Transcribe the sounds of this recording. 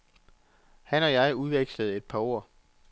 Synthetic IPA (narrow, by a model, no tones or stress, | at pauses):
hænɒ̽jɑ̈ɪuðˠʋeɡ̥sləð̞̩ˠe̝d̥̚pʰɑ̈o̝ɐ̰